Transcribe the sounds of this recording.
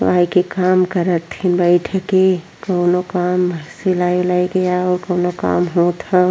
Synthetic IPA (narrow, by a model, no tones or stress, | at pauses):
aːikekaːmkəɾət̪ʰːinbəɪʈʰke | kəʊnokaːməselaːjolaiɡəjaɔːɾkəʊnoka̰ːmɦõt̪ʰã